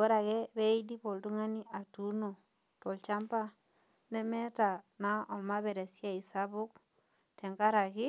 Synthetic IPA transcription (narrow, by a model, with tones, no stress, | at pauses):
o˦ɾa˨kɛ˦be˦idi˦po˨ldu˦ŋa˦ni˦ʔa˨tu˦no˨ | to˨lt͡ʃa˦mpa˦ | nɛ˦mɛ˦ta˨na˦ɔ˨ma˦βɛ˨ɾe˨sja˦i˨sa˦bʊ˦k̚ | tɛ˨ŋɡa˦ɾa˨kɪ˦